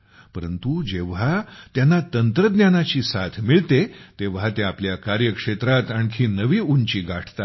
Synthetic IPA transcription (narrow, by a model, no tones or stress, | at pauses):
pəɾənt̪ud͡ʑeʋɦat̪janːat̪ənt̪ɾəd̪njanat͡ɕiːsat̪ʰmiɭt̪et̪eʋɦat̪eapljakaɾjəkʂet̪ɾat̪aɳkʰiːnəʋiːunt͡ɕiːɡaʈʰt̪a